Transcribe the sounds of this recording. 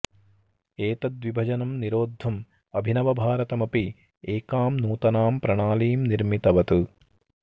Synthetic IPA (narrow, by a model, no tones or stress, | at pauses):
eːt̪ɐd̪ʋibʱɐd͡ʒɐnɐmniɾoːd̪ʱːɐm | ɐbʱinɐʋɐbʱaːɾɐt̪ɐmɐpi | eːkaːmnuːt̪ɐnaːmpɾɐɳaːliːmniɾmit̪ɐʋɐt̪u